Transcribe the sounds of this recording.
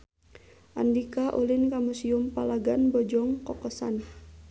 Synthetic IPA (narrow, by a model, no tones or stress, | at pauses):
ʔa̰ndikaʔulinkamusiʊmpalaɡanbɔd͡ʒɔŋkɔkɔsa̰n